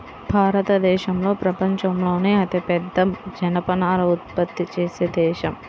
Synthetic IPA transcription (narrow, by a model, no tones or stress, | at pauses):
bʱaːɾɐt̪ɐd̪ɛːʃɐmlo̞ːpɾɐpɐɲt͡ʃɐmlo̞ːneːɐt̪ipɛd̪ːɐmd͡ʒɐnɐpɐnaːlɐut̪̚pɐt̪ːit͡ʃeːseːd̪ɛːʃɐm